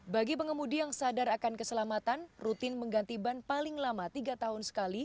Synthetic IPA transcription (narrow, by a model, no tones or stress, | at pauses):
baɡipəŋəmudijaŋsadaɾakankəsəlamat̪anrut̪ɪnməŋɡant̪ibanpalɪŋlamat̪iɡat̪aɦʊnsə̥kali